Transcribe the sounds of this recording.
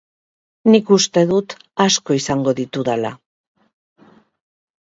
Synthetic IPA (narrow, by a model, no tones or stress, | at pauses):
nikust̪e̞ðut̪ | asko̞isaŋɡo̞ðit̪uðala